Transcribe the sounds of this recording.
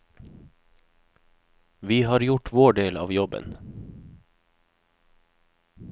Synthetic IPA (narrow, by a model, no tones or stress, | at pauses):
ʋiːhɑːɾjʊʈʰʋoːɖeːlɑ̰ːʋjɔbə̰n